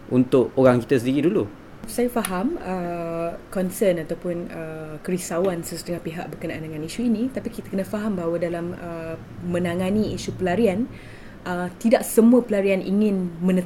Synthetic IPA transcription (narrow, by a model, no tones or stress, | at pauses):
unt̪ʊʔoɾaŋkit̪əsəndiɾidulu | sajafaɦamə | kɔnsənat̪awpʊnəkəɾisawansəsədəŋapeɦaʔbəkənaʔandəŋaniʃuinĩt̪apikit̪ḁkənafaɦambaɦawadalamə | mə̃naŋãniiʃupəlaɾian | ʔət̪idaʔ̚səmũəpəlaɾianʔḭŋɪ̃nmənət̪